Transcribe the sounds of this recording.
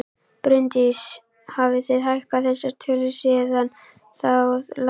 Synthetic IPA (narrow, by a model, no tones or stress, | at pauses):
pɾʏnt̪is | havɪθɪðɦajhkaθɛsːaɾ̥t̪ʰɪlʏsɛðan | θal